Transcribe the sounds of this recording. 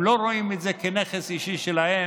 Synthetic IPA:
lo̞ɾo̞imet̪zekeneχesiʃiʃelahe

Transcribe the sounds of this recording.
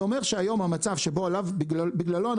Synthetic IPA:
omeʁʃeajo̞mhamat͡savʃeboalavbɡlbiɡlalo̞an

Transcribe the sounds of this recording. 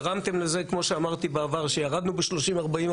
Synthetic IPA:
ʁamt̪e̞mleze̞kmo̞ʃeamaʁt̪ibeavaʁʃejaʁad̪nubeʃlo̞ʃimaʁbaim

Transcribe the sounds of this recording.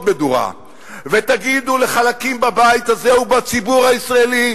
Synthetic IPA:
d̪med̪uʁa̰ | vet̪aɡid̪ule̞χalakimbabajit̪azeubat͡sibuʁhaisʁaeli

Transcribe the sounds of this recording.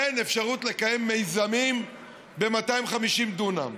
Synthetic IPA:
ene̞fʃaʁutle̞kaje̞mːe̞jzamim | be̞matajmχamiʃimdunam

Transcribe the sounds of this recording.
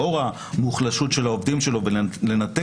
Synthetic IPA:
o̞ʁa | muχlaʃut̪ʃe̞laovd̪imʃelo̞vele̞nat̪e

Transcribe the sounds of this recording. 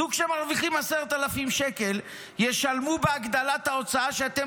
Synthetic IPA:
ukʃemaʁviχimaseʁet̪alafimʃeke̞l | je̞ʃalmubeaɡd̪alat̪hao̞t͡saaʃeat̪e

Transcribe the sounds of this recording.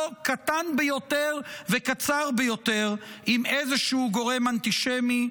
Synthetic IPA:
kat̪anbejo̞t̪eʁvekat͡saʁbejo̞t̪eʁimezeʃuuɡo̞ʁe̞mant̪iʃemi

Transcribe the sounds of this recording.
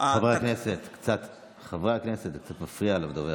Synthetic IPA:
avʁekneset̪kt͡sat̪ | χavʁaakneset̪kt͡sat̪mafʁiaːlavd̪ove

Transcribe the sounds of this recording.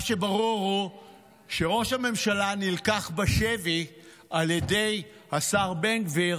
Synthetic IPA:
ʃebaʁuʁu | ʃe̞ʁo̞ʃhame̞mʃalanilkaχbaʃevi | ʔalje̞de̞j | hasaʁbenɡviʁ

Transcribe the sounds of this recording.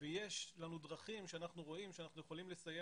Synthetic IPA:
ejeʃlanud̪ʁaχimʃeanaχnuʁo̞imʃeanaχnujeχolimlesaje

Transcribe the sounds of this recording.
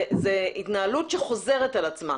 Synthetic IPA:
zeit̪naːlutʃeχo̞ze̞ʁetalat͡sma̰

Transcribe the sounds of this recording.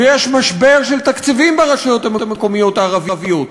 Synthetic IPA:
jeʃmaʃbe̞ʁʃelt̪akt͡sivimbeʁaʃajo̞t̪amet̪ameko̞mijo̞t̪aːʁavivijot̪

